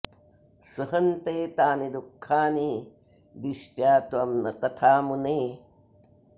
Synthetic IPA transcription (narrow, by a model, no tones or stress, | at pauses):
sɐɦɐnt̪eːt̪aːnid̪ukʰːaːni | d̪iʃʈjaːt̪ʋɐmnɐt̪ɐt̪ʰaːmuneː